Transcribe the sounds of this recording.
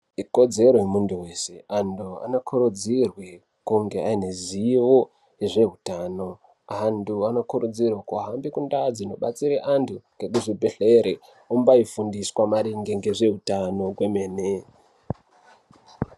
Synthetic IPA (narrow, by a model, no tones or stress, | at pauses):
iko̞d͡ze̞ɾojemunduwe̞ːse̞andua̰nokʰuɾud͡zirwe | kuŋɡe̞aine̞ziʋo̞ | eʐe̞ɦutano̞ | anduano̞kuɾud͡zirwakuaɦambikundad͡zino̞ɓat͡siɾeʔantʰuŋɡe̞k̬uʐibʱe̞ɬe̞ɾe | umbaifundiswamaɾiŋɡe̞ŋɡeʐe̞ɦutano̞ɡweme̞ːne